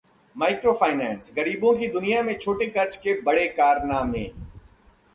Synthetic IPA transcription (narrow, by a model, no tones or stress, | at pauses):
maːɪkɾofʰaːɪnɛːnsɣɐɾiːbõkid̪ʊnijamẽt͡ʃʰoːʈekɐɾt͡ʃkebɐɽekaːɾnaːmḛ̃ː